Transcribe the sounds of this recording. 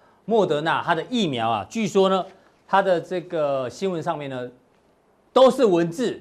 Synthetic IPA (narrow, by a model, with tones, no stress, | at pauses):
mwɔ˥˩t̪ɤ˧˦na˥˧˨t̪ʰa˦d̪ə˨ʔi˥˨mjɑ˨˦ʊa̰˨t͡ɕy˥˨˩ʂwɔ˥nə˨ | t̪ʰa˥d̪ə˨ʈ͡ʂɤ˥˩ɡə˩ɕi˦˥nwə˧nʂɑ˥˧ŋmjɛ˥˨nə˨ | t̪o˥ʊʂɻ̩˥˩wə˨˦nt͡sɹ̩˥˩